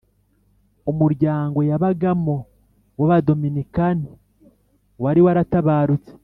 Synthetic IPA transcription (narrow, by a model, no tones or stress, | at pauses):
umuɾɟaːŋɡo̞jaβaɡamo̞ | waβado̞minikani | waɾiwaɾataβaːɾut͡se̥